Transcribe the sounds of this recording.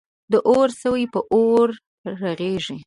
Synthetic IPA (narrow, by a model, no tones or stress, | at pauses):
d̪əʔoɾsəwəjpəʔoɾː | aɣeʒi